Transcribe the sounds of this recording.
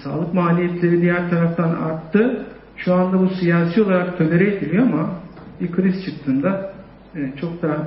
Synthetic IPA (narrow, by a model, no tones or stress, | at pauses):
sa̰ːlˠɯkmaːlʲijɛt̪lʲe̞ɾid̪ijæɾt̪ʰaɾaft̪ʰana̰ɾt̪ʰːɯ | ʃuand̪abusijaːsijo̞lˠaɾakt̪ʰølʲe̞ɾɛed̪ilʲijo̞amabikʰɯɾizt͡ʃʰɯk̚t̪ʰːɯːnd̪aː | t͡ʃʰo̞k̚d̪a